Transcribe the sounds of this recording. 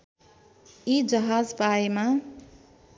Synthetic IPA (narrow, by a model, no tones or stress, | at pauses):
id͡zʌɦad͡zpaema